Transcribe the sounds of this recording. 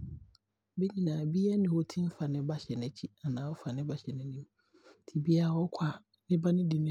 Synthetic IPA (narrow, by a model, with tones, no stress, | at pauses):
be˦ɲĩ˨nãː˨bi˦a˦nɪ̃˨ho˦tʰĩ˦m̩˦fa˨nɪ̃˦ba˦ɕɛ˨nɛ̃˨t͡ɕʰi˦a˨nãː˨˦wɔ˦fa˨nɪ̃˦ba˨ɕɛ˨nɪ̃˦nĩ˦m˦˨ | tʰi˨bi˦a˦˨wɔ˦kʷʰa˨ | nɪ̃˦ba˦nɪ̃˦di˨nɪ̃˦